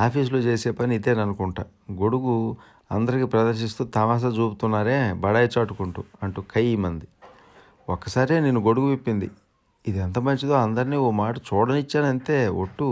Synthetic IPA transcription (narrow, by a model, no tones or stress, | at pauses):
aːpʰiːs̬loːt͡ʃeːse̞ːpɐniid̪eːnɐnukuɳʈaː | ɡo̞ɽuɡu | ɐnd̪ɐɾikipɾɐd̪ɐɾʃist̪uːt̪ɐmaːs̬at͡ʃuːput̪unːaːɾe̞ːbɐɽaːjɐt͡ʃaːʈukuɳʈuɐɳʈuːkʰɐjiːmɐnd̪i | okːɐsaːɾeːnenːuɡo̞ɽuɡuʋepːind̪ḭ | id̪ɛnt̪ɐmɐɲt͡ʃid̪o̞ːɐnd̪ɐɾiniːomaːʈɐt͡ʃuːɽɐnit͡ʃːaːnɐnt̪e̞ːo̰ʈːu